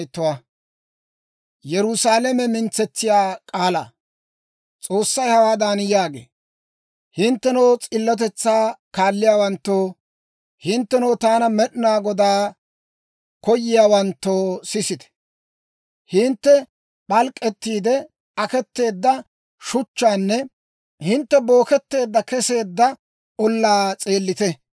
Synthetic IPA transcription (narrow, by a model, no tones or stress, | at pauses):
t̪ːʊwɐ | jɛɾʊsaːlɛmɛmɪnt͡sːɛt͡sːɪjaːkʼaːla̰ː | t͡sʼo̞ːsːɐjhɐwaːd̪anjaːɡḛː | hɪnt̪ːɛnoːt͡sʼɪlːɔt̪̬ɛt͡sːaːkaːlːɪjaːwɐnt̪ːoː | hɪnt̪ːɛnowt̪aːnɐmɛɗɪnaːɡɔd̪aː | kɔjːɪjaːwɐnt̪ːoːsɪsɪt̪ɛ̥ | hɪnt̪ːɛ | ɓɐlkʼːɛt̪ːiːd̪ɛ | ɐkɛt̪ːe̞ːd̪ːɐ | ʃʊt͡ʃːaːnːɛ | hɪnt̪ːɛbo̞ːkɛt̪ːe̞ːd̪ːɐkɛse̞ːd̪ːɐ | ɔlːaːt͡sʼe̞ːlːɪt̪ɛ